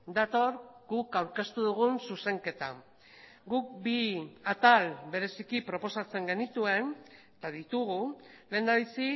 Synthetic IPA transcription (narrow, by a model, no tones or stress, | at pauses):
d̪at̪o̞ɾɡ̥ukawɾke̞st̪uðuɣ̞unsuse̞ŋke̞t̪a | ɡuk̚biat̪albe̞ɾe̞sikipɾo̞po̞sat͡se̞ŋɡe̞nit̪ue̞n | t̪aðit̪uɣ̞ule̞ːnd̪aβisi